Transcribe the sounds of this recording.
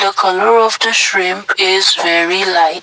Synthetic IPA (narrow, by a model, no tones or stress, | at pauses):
d̪əkʰʌləɹɔvd̪əʃɹɪ̃mpʰɪzvɛɹilaɪ